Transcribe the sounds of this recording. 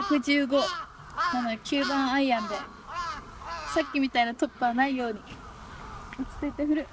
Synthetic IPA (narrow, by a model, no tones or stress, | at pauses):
akɯ̟d͡ʑɨːɡo̞ | anokʲɨːbãɰ̃aiãnd̪e̞ | sakʲːimʲit̪ainot̪o̞pːɯβanaijo̞ːɲ̟i | ot͡ɕi̥t̪at̪eɸɯ̟ɾɯ̟